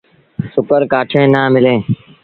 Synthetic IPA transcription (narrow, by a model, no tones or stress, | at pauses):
sʊkəɾkaːʈʰẽːnaːmɪlẽː